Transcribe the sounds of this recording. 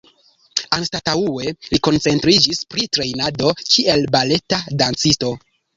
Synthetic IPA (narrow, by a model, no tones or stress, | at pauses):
anstataue̞liko̞nt͡se̞ntɾid͡ʒispɾitɾe̞jnado̞kie̞lbale̞tadant͡sisto̞